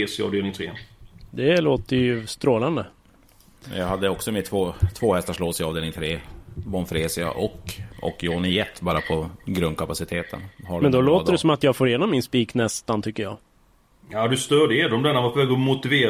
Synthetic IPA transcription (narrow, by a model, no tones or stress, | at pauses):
sɪɑ̰vd̪eːlnɪŋt̪ʰɾḛːd̪ɛloːt̪əjɵst̪ɾoːland̪ə | mɛ̰njɑhad̪ːəɔksɔmɪt̪ʰvoːt̪ʰvoːhɛst̪aʂloːsɪɑːvd̪eːlɪŋt̪ʰɾeːbɔnfɾeːsɪa̰ʔɔkɔ̰kːjoːnɪjɛt̪ːbɑːɾapʰɔɡɾɵnd̪kʰapasɪt̪ʰeːt̪ʰə̰nhamɛnd̪ɔloːtd̪əɖɛsɔmat̪jɑfoːɾjeːnɔmːɪnspiːknɛst̪ant̪ʰʏkːəɾjɑ̰ː | jad̪ɵst̪œːɖed̪ɔmd̪ɛnːavapʰɔvɛːɡɔmʊt̪ɪveːɾ